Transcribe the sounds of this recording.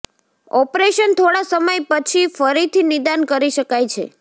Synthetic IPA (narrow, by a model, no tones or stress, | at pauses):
ɔpɾeʃənt̪ʰoɽasəməjpət͡ʃʰifəɾit̪ʰinɪd̪ankəɾiʃəkajt͡ʃʰḛ